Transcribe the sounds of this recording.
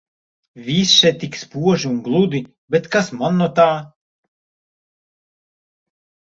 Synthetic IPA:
vʲisʃɛt̪ʲːikspuɔʒiunɡlˠud̪i | bɛt̪kasmanːut̪aː

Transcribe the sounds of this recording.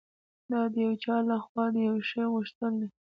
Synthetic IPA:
d̪ɑd̪əjawt͡ʃɑlaxwɑd̪əjawʃəjɣʊʃt̪əld̪e

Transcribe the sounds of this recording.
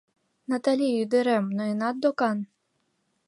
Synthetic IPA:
nɐt̪alʲijujd̪ɪɾɛmnɔinad̪d̪ɔkan

